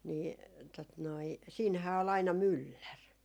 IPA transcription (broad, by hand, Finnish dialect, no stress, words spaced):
niː tot noi siːnhæː ol ɑinɑ mylːær